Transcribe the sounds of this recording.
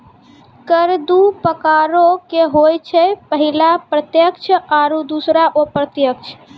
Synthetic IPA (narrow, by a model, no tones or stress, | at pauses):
kəɾd̪upəkaɾokeɦojt͡ʃʰɛpəɦilapɾət̪jəkt͡ʃʰəaɾud̪usɾaʔopɾət̪jək̚t͡ʃʰ